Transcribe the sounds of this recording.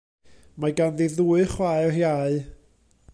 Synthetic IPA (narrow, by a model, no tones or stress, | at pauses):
maɡanðiðuːɨχwajrjaɨ